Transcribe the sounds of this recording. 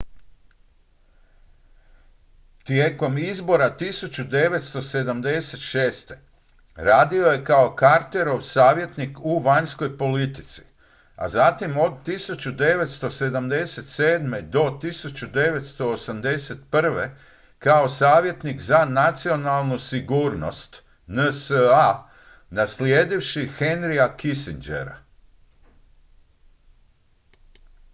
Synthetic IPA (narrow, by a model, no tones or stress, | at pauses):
t̪jeːko̞mizbo̞ɾat̪isut͡ɕud̪e̞ʋe̞t̪st̪o̞se̞d̪amd̪e̞se̞t̪ʃeːst̪e̞ | ɾaːd̪io̞je̞kao̞kaɾt̪e̞ɾo̞ʋsaːʋje̞t̪nikuʋaɲsko̞jpo̞lit̪i̥t̪si̥ | a̰zat̪imo̞d̪̚t̪isut͡ɕud̪e̞ʋe̞t̪st̪o̞se̞d̪amd̪e̞set̪seːd̪me̞d̪o̞t̪isut͡ɕud̪e̞ʋe̞t̪st̪o̞ːsamd̪e̞set̪pr̩ʋe̞ | kaosaːʋje̞t̪nikzanat̪sio̞nalˠnusiɡuːɾno̰st̪ | nəsəa | nasljeːd̪iʋʃixe̞nɾiakisind͡ʒḛɾa̰